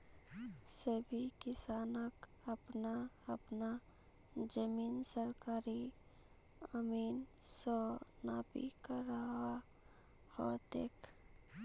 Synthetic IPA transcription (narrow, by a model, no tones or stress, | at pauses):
səbʱikɪsaːnək | əpna | əpna | d͡ʒəmiːnsəɾkaːɾi | əmiːnsɔnaːbḭkaɾaɦa | hɔ̰t̪eːkʰ